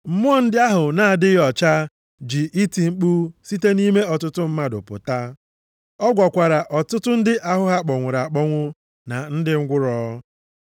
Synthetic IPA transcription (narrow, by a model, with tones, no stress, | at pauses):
m̩˦mʊ˦ɔ˦n̩˦dɪ˦a˦ɦʊ˨na˨a˨dɪ˦ɣɔ˨t͡ʃa˦ | d͡ʒi˨ʔi˦ti˨ŋ͡m̩˦k͡pu˦si˦te˦ni˦me˦ɔ˨tʊ˦tʊ˦m̩˦ma˦dʊ̰˨pʊ̰˨ta˦ | ɔ˦ɡʷɔ˨kʷa˨ɾa˨ʔɔ˨tʊ˦tʊ˦n̩˦dɪ˦ʔa˦ɦʊ˦ɦa˦k͡pɔ˨ŋʷʊ˨ɾa˨k͡pɔ˦ŋʷʊ˦ | na˨n̩˦dɪ˦ŋ̩˦ɡʷʊ˦ɾɔ˦